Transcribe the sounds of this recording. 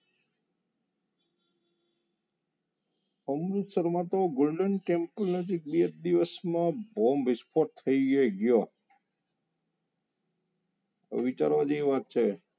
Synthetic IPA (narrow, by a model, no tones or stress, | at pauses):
əmɾut̪səɾmãt̪oɡolɖənkɛmpəlnəd͡ʒek̚biət̪̚d̪iʋəsmãbombispʰoʈ̚t̪ʰːəiɡeɡjo | ʋit͡ʃa̰ɾʋad͡ʒeiʋaɾ̚t͡ʃʰe